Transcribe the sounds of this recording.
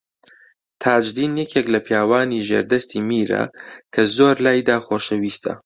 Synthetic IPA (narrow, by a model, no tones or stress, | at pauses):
t̪ʰaːd͡ʒd̪iːnjɛkʰeklɐpʰjaːwaːniʒḛːɾd̪ɐst̪ʰiːmiːɾɐ̰kʰɐzoːɾlaːjd̪aːxoːʃɐwiːst̪ʰɐ̰